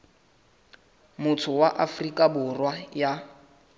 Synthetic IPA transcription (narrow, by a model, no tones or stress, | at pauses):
mʊtʰʊwaʔafrikʼabʊrwaja